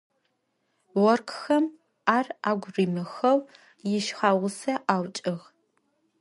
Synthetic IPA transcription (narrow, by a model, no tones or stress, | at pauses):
wɔrkʰxɐm | aːraːɡʷriːmɨxɐw | jɪʃχaːwʊsɐʔaːwt͡ʃʼɪɣ